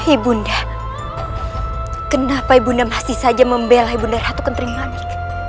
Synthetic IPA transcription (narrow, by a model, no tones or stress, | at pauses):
hibunda | kənapaibundamast̪isad͡ʒaməmbelaɦibundaɾhat̪ukənt̪əɾimanik̚